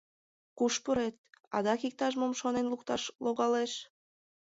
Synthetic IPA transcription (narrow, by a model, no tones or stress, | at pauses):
kuʃpuɾet̪̚ɑ̰d̪ɑkik̚t̪ɑʃmomʃonenlukt̪ɑʃloɣɑleʃ